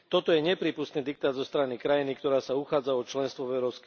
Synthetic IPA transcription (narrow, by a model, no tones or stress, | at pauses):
t̪ɔt̪ɔjɛɲɛpɾiːpust̪niːd̪ik̚t̪aːd̪zɔst̪ɾanikɾajinikt̪ɔɾaːsauxaːd͡zaɔt͡ʃlɛnst̪ʋɔvɛʊɾɔʊsk